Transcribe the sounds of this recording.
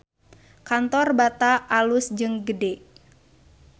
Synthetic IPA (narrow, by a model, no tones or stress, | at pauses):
kant̪ɔrbat̪aʔalʊsd͡ʒɨŋɡədɛʔ